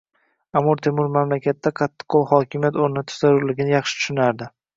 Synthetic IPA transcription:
amʊɾt̪ʰe̞mʊɾmamlakʲʰat̪ːaqʰɑt̪ʰːɪ̥qʰːolˠhɒkʲɪmijat̪oɾnɪnɪt̪ʰʊ̥zaɾʊɾlɪɡʲɪnɪjɑχʃɪt̪ʰʊ̥ʃʊnaɾd̪ɪ

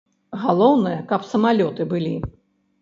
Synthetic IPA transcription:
ɣalˠɔwnɐjɐkɐpsɐmalʲɔt̪ɨbɨlʲi

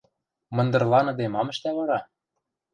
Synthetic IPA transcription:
mɤ̆nd̪ɤ̆rlˠɑnɤ̆d̪emɑmə̆ʃt̪æβɑɾɑ

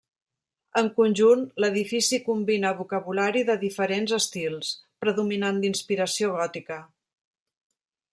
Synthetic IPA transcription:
əŋkunʲʒunləðifisikumbinəβukəβulaɾiðəðifəɾenzəst̪ilˠspɾəðuminand̪inspiɾəsioɣɔt̪ikə

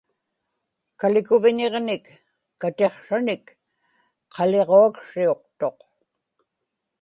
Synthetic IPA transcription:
kalɪkʊvɪɲe̞ʁnɪkː | at̪e̞χʂanɪk | qʰɑleʁoakʂio̞qt̪o̞q

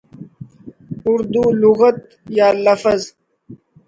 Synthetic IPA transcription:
ʊɾd̪uluɣət̪̚ | jaːlɐfəz

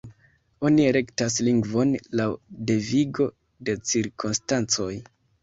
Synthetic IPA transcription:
o̞nieɾe̞ktasliŋɡvo̞nlawde̞viɡo̞ | de̞t͡siɾkʰunstant͡so̞j

